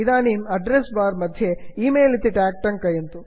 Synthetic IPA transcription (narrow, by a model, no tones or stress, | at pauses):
id̪aːniːmɐɖɾesbaːɾmɐd̪ʱjeiːmeːlit̪ːiʈaːk̚ʈɐŋkɐjɐnt̪u